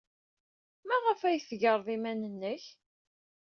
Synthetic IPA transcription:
mæʁəfæjθʝəɾˤðˤimænənːəç

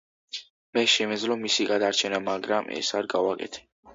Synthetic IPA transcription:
mɛʃɛmɛd̪zlɔmisiɡad̪aɾt͡ʃʰɛnamaɡɾamʔɛ̰saɾɡavakʼɛ̰t̪ʰɛ̥

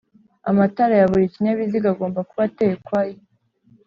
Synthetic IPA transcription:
amataɾajaβuɾiciɲaβiziɡaɡo̞ːmbakuβateːkwaje

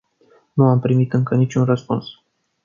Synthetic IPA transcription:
nuampɾimit̪ɨŋkənit͡ʃʲunrəspuns

